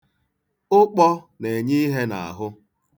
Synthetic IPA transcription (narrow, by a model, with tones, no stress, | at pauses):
ʊ˦k͡pɔ˦ | ne˨ɲi˦ɦe˦na̰˨a̰˨ɦʊ˦